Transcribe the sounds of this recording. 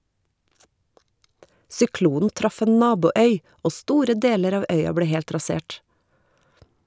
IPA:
sʏˈkluːn̩ ˈtɾɑf ˈeːn ˈnɑːbuːˌœʏ ˈoː ˈstuːɾə ˈdeːləɾ ˈɑːʋ ˈœʏɑ ˈbleː ˈhɛlt ɾɑˈseːʈ

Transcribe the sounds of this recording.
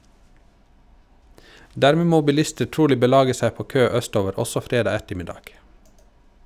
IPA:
ˈdæɾmeː ˈmoː bɪˈlɪstə ˈʈuːlɪ bəˈlɑːɡə ˈsæ ˈpoː ˈkøː ˈœˌstoːʋəɾ ˈɔsɔ ˈfɾeːdɑː ˈɛtəmɪˌdɑːɡ

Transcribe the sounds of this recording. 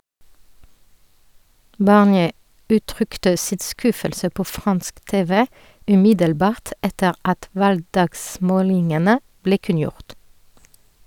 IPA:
bɑʁnˈjeː ˈʉːˌtʁʏktə ˈsɪt ˈskʉfəlsə ˈpoː ˈfʁɑnsk ˈteːʋə ʉˈmɪdəlˌbɑːʁt ˈɛtəʁ ˈɑt ˈʋɑlɡˌdɑːɡˌsmoːlɪŋənə ˈbleː ˈkʉnˌjʊʁt

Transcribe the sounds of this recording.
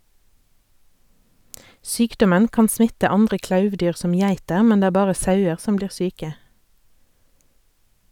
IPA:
ˈsyːkdɔmən ˈkɑːn ˈsmɪtə ˈɑndʁə ˈklɑʉʋˌdyːʁ ˈsɔm ˈjæɪtəʁ ˈmɛn ˈdeː ˈæː ˈbɑːʁə ˈsɑʉəʁ ˈsɔm ˈbliːʁ ˈsyːkə

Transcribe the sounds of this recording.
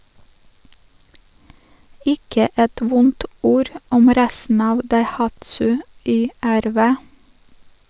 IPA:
ˈɪkə ˈɛt ˈʋʊnt ˈuːɾ ˈɔm ˈɾæsn̩ ˈɑːʋ dɑɪˈhɑtsʉ ˌyːˌæɾˈʋeː

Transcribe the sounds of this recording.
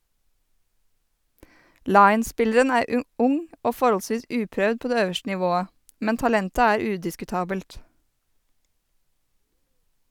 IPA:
ˈlɑɪn̩ˌspɪləɾən ˈæːɾ ə ˈʔʊŋ ˈoː ˈfɔɾhɔlˌsʋiːs ˈʉːpɾœd ˈpoː ˈdeː ˈøːʋəʃtə nɪˈʋoːə ˈmɛn tɑˈlɛntə ˈæːɾ ˈʉːdɪskʉˌtɑːbəlt

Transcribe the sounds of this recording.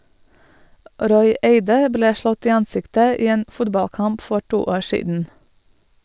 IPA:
ˈʔɾɔʏ ˈeɪdə ˈbleː ˈʃlɔt ˈiː ˈɑnˌsɪktə ˈiː ˈeːn ˈfʊdbɑlˌkɑmp ˈfɔ ˈʈuː ˈoːɹ ˈʃiːdn̩

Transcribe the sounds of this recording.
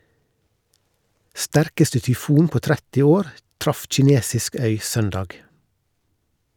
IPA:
ˈstæɾkəstə tʏˈfuːn ˈpoː ˈtɾɛtɪ ˈoːɾ ˈtɾɑf c͡çɪˈneːsɪsk ˈœʏ ˈsœndɑːɡ

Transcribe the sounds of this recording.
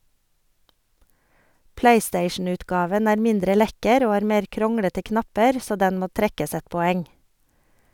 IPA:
ˈpleɪˌsteɪʃn̩ˌʉːtɡɑːʋən ˈæːɾ ˈmɪndɾə ˈlɛkəɾ ˈoː ˈhɑːɾ ˈmeːɾ ˈkɾɔŋɽətə ˈknɑpəɾ ˈsoː ˈdɛn ˈmoː ˈtɾɛkəs ˈɛt pɔˈɛŋ

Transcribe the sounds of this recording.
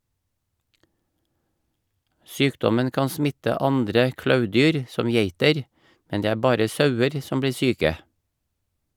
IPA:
ˈsyːkdɔmən ˈkɑːn ˈsmɪtə ˈɑndɾə ˈklɑʉˌdyːɾ ˈsɔm ˈjeɪtəɾ ˈmɛn ˈdeː ˈæː ˈbɑːɾə ˈsɑʉəɾ ˈsɔm ˈbliː ˈsyːkə

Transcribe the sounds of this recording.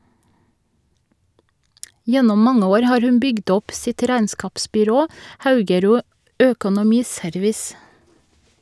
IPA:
ˈjɛnɔm ˈmɑŋə ˈoːɾ ˈhɑːɹ ˈhʉn ˈbʏɡd ˈɔp ˈsɪt ˈɾæɪnˌskɑːpsbʏˌɾoː ˈhɑʉɡəˌɾuː ˈøːkʊnʊˌmiːˌsœɾʋɪs

